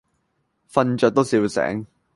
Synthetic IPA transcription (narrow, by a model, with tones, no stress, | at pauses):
fɐ˧nt͡ʃœː˨t̪o˥wsiː˨˥wsɛ̰ː˨˥ŋ